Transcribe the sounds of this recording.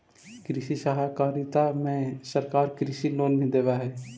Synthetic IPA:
kɾɪʃisaɦakaːɾɪt̪amẽsəɾkaːɾkɾɪʃiloːnbʱĩd̪eːʋaɦɛː

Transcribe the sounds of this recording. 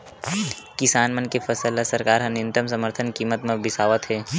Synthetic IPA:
kɪsaːnmɐnkefɐsəlasəɾkaːɾɦɐ̃nɪ̃nt̪əms̬ɐməɾt̪ʰənkiːmət̪mẽbɪsaːʋət̪ɦɛː

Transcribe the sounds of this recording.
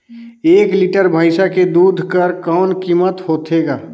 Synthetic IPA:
eːkliʈəɾbʱaɪsaked̪uːd̪ʱkəɾkɔːnkiːmət̪hoːt̪eɡaː

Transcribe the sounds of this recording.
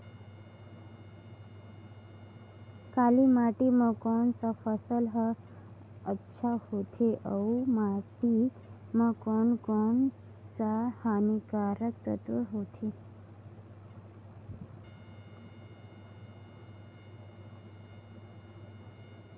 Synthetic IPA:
kalimaʈimãkɔnsafəsəlɦə | ətːʃʰahot̪ʰeʔəumaʈi | mãkonkɔn | sahanikaɾək̚t̪ət̪əɦot̪ʰe

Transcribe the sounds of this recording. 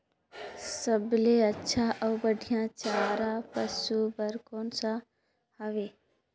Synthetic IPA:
səbleətːʃʰaʔəʊbəɖʱijãt͡ʃaɾapəsubəɾkoːnsã | həʋe

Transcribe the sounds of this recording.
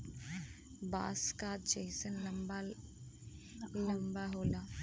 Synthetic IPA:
ba̰ːskaːt̪̚d͡ʒejsənlɐmba | lɐmbaɦoːla

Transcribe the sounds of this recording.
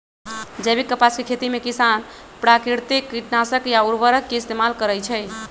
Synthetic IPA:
d͡ʒəbikːəpaskekʰet̪imekisan | pɾakɾiɾt̪ikːiʈnasəkjauɾbəɾəkːeist̪emalkəɾəjt͡ʃʰɛ

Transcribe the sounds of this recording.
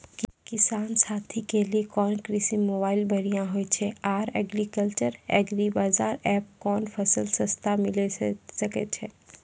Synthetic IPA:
kkɪsaːnsaːt̪ʰikeliekɔːnkɾisimoːbaːɪlbʱɐɾijãɦoet͡ʃʰɛaːɾɛ̰ːɡɾikəlt͡ʃəɾɛ̰ːɡɾibaːzaːɾɛːp̚kɔːnpʰɐsəlsəst̪ʰamɪlesɐket͡ʃʰɛː

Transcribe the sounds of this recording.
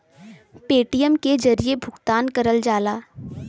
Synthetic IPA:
peːʈijəmked͡ʒɐɾijebʱʊkt̪aːnkɐɾəld͡ʒaːlaː

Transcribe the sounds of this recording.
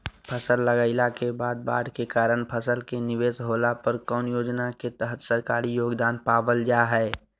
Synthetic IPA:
pʰəsəlːəɡaːɪlakebaːd̪̚ba̰ːɽkekaːɾəɳpʰəsəlkenɪʋeːsɦoːlapəɾkɔːnjoːd͡ʒnaket̪əɦət̪səɾkaːɾijoːɡd̪aːnpaːʋəld͡ʒaːɦɛː

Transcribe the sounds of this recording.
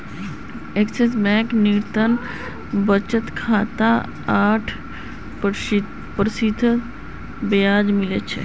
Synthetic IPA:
ekses̬bɛ̃kniɾt̪ən | bət͡ʃət̪kʰaːt̪a | aːʈʰ | pəɾsid̪ʱ | bejaːd͡ʒmilet͡ʃʰe

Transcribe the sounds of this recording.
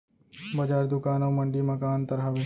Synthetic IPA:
bɐd͡ʒaːɾd̪ʊkaːnaʋməɳɖiːmɐkaːnt̪ɐɾaːʋeː

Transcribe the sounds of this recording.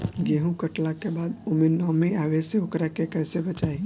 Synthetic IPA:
ɡeːɦũkəʈlakebaːd̪omẽnɔːmẽaːʋeseokɾakekɛːsebət͡ʃaːi

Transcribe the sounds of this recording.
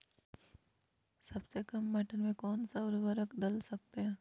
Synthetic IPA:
sɐbsekɐmːɛʈənmẽkɔːnsaʊɾʋəɾəkd̪ɐlsɐk̚t̪eɦɛ̃ː

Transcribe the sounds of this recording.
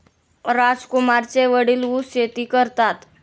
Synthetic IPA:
ɾad͡zkumaɾt͡seʋəɽiːluset̪iːkəɾt̪at̪

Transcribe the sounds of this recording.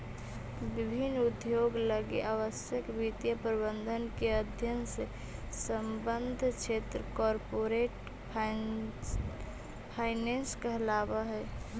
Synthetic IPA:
bibʱinːud̪joɡləɡeʔaʋəsjəkbit̪ijəpɾəbənd̪ʱənkeəd̪ʱjənse | səmbənd̪ʱt͡ʃʰet̪ɾəkɔɾpoɾeʈ | pʰ | pʰaɪnenskəɦlabəɦɛ

